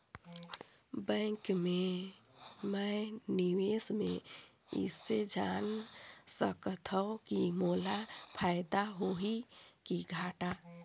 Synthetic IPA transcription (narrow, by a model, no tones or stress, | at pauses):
bə̃kme | mɛniwesme | ḭsːed͡ʒansəkət̪ʰəkimolapʰaɪd̪aɦoɦikiɡʱaʈa